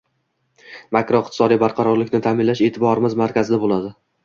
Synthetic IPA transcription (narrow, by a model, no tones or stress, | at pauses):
makɾoɪqt̪ʰɪ̥sɒd̪ibaɾqʰɑɾɒɾlɪkʲnɪt̪ʰamɪnlaʃe̞ːt̪ʰɪbɒɾɪmɪzmaɾkʲazɪd̪abolˠad̪ɪ